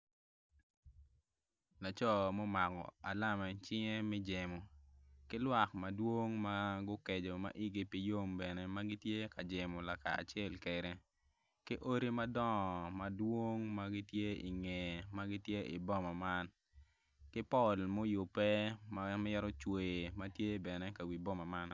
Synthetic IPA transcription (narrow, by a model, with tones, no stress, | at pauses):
la˨t͡ʃɔ˦mɔ˦ma˨kɔ̰˨a˨la˦mɛ˨t͡ʃɪ˦ŋe˦mɛ˦d͡ʒe˨mo˨kɪ˦lwa˨k̚ma˨dwo˦ŋma˦ɡʊ˦ke˨d͡ʒo˨ma̰˨ʔi˦ɡi˦pi˨jo˦mbɛ˨ne˨ma˦ɡɪ˦tje˦ka˨d͡ʒe˨mo˨la˨ka̰ː˨t͡ʃɪɛ˦˨lkɛ˨ɾe˨ | kɪ˦ʔo˦ɾi˦ma˦dɔ˦ŋɔ˨ma˨dwo˦ŋma˦ɡɪ˦tje˦i˨ŋɛ˨ma˦ɡɪ˦tje˦i˨bɔ˦ma˨ma˦n | kɪ˦pɔ˦˨lmo˦jʊ˨pːɛ˦ma˦m˦jɛ˦ɾɔ˦t͡ʃwe˨ma˦tje˦bɛ˨nɛ˦ka˨wi˨bɔ˦ma˨ma˦n